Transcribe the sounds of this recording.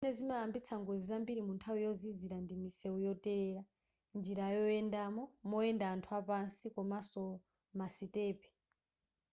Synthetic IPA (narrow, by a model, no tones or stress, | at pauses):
inɛzimaambit͡sʰaŋɡɔzizambiɾimuntʰawujɔziziɾandimisɛujɔtɛɾɛːɾa | nd͡ʒiɾajɔɛndaːmɔmɔɛndaːntʰuapansikɔmasɔ | masitɛːpɛ̥